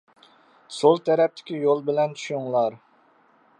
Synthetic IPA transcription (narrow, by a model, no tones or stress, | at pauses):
solˠt̪ʰɛɾɛp̚t̪ʰɪ̥kʲijolˠbɪlɛnt͡ʃʰy̥ʃuŋlˠɑɾ